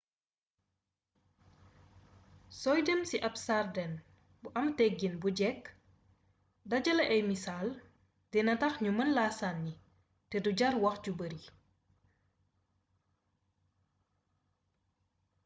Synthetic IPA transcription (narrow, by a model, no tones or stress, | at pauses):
sɔjdɛmsiʔɐpsardɛn | buʔɐmtɛɡinbuɟɛk | dɐɟɐlɐʔɛjmisal | dɛnɐtɐxɲumɐnlasanːi | tɛduɟɐrwɐxɟubəɾi